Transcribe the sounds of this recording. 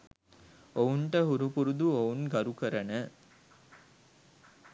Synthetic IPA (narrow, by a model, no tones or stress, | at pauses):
ouɳʈəɦuɾupuɾud̪uounɡɐɾukəɾənə